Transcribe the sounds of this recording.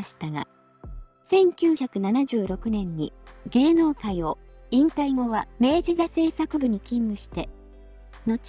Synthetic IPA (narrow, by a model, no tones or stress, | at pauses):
ɕi̥t̪aɡa̰ | sẽ̞ŋkʲɨːçakɯ̟nanaʑɨːɾo̞kɯ̟nẽ̞ɲ̟ːḭɡe̞ːno̞ːkajo | ĩnt̪aiŋo̞βame̞ːd͡ʑizase̞ːsakɯ̟bɯ̟ɲ̟ikʲĩmːɯ̟ɕi̥t̪e̞ | no̞t͡ɕ